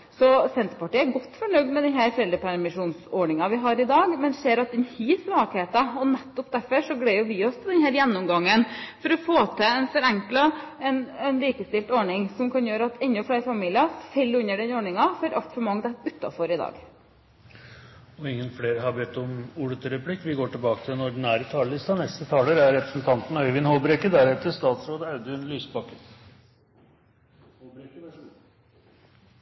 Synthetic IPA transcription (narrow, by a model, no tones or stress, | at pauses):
sɔsɛnt̪ɾəpɑʈiːæɾɡɔt̪ːfɔɳœɡd̪mɛd̪ɛnɦæːɾfɾɛld̪ɾəpʰæɾmɪʂuːnsɔɳɪŋɑʋɪɦɑɾɪd̪ɑːɡmɛnd̪seːɾɑt̪̚d̪ɛnhiːsʋɑːkheːt̪əɔnɛt̪ːɔpd̪æɾfɔʂɔɡɽeɪjʊʋɪɔst̪ʰɪld̪ɛnhæːɾjɛnːɔmɡɑŋːənfɔɾɔfoːt̪ʰɛɛnfɔɾɛŋklɑɛnɛnliːkəst̪ɪlt̪ɔɳɪŋsɔmkʰɑnjøːɾəɑt̪ɛnːɔflæːɾfɑmiːlɪɑfɛlːʉnːəɖɛnɔɳɪŋɑfɔɾʔɑ̰lt̪fɔmɑŋd̪əʉt̪ːɑ̰fɔɾɪd̪ɑ̰ːɡ | ɔɪŋːənfleːɾəɦɑɾbet̪ɔmuːɽət̪ʰəɾəpʰlɪkːʋɪɡoːʈɪlbɑːkət̪ʰɪlɛnɔɖɪnæːɾət̪ʰɑːləlɪst̪ɑnɛst̪ət̪ʰɑːləɾæɾɾɛpɾəsn̩t̪ʰɑnt̪n̩œʏʋɪnhoːbɾekəd̪æɾɛt̪ːəst̪ɑːt̪sɾoːd̪əɑʉd̪əʉnlyːspɑkːət̪